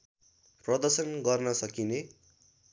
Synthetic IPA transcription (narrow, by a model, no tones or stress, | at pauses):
prʌd̪ʌrsʌnɡʌrnʌsʌkine